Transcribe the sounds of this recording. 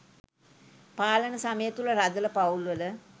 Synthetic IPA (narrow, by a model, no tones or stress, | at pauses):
paːlənəsaməjət̪uləɾad̪ələpaulʋələ